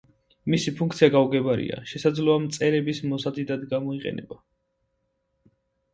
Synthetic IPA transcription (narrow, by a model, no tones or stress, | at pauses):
misipʰuŋk̚ʰt̪sʰiaɡauɡɛbaɾḭa̰ʃɛsad̪zlɔamt̪sʼɛɾɛbismɔsad̪id̪ad̪ɡamɔiqʼɛ̰nɛ̰ba